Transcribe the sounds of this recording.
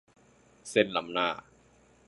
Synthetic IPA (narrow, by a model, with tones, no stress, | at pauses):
se˥˩nla˨˦mnaː˥˩